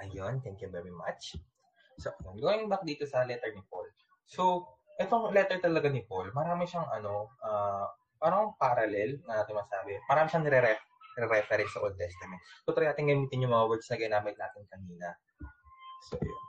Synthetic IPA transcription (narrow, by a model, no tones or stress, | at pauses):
ʔɐjont̪ɛŋkjuvɛɹima̰t͡ʃ | soʔɐjonɡʊnɪŋbɐk̚d̪iːt̪o̞sɐlɛt̪ɛɹnɪpo̞̰l | so̞ | ʔɛt̪oŋlɛt̪ɛɹt̪ɐlɐɡanɪpolmɐɾaːmɪʃɐŋʔɐ̰no̞ʔa | paːɾɐŋŋpaɾɐlɛlnɐaːt̪ɪŋmɐɡsaːbɛmɐɾaːmɪʃɐŋnɛɾɛɾɛ | nɾɛɾɛfɛɾɛnsɐʔold̪̚t̪ɛst̪ɐmɛnt̪̚t̪ʊt̪ɾɐjnaːt̪ɪŋɡɐmiːt̪ɪnɲjʊŋmɐŋɐwɛd̪snɐɡɪnaːmɪt̪naːt̪ɪnkɐniːnɐ | soʔɐ̰jo̰n